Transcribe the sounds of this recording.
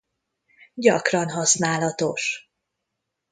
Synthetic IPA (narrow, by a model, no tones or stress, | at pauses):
ɟɒkrɒnɦɒsnaːlɒt̪o̞ʃ